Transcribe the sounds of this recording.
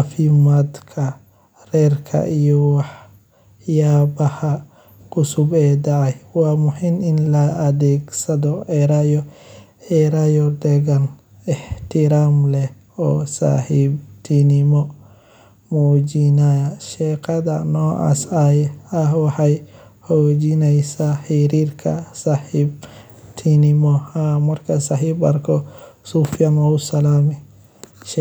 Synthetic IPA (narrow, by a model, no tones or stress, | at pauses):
afɪmaːd̪kʰɐ | rɛːrkʰɐ̰ʔijɔwɑħ | jaːbɐhɐ | kʰʊsʊbɛːd̪ɐʕɛjwɑːmʊħɪnɪnlɐːðɛːɡsɐðɔʕɛɾajɔ | ɛɾajɔɖ̪ɛɣɐn | ɛħt̪ʰɪɾaːmlɛh | ɔːsa̰ːħibt̪ʰinɪmɔ | mɔd͡ʒɪnajɐʃɛqʰɐðɐnɔːʔa̰s | ɐɦwɑħɑj | hɔːd͡ʒɪnɛjsaħɪɾiːrkʰɐ̰saħib | t̪ʰinɪmɔhamɐrkʰɐsaːħibɐ̰rkʰɔsufjɐnɔʊsɐlaːmɛ | ʃ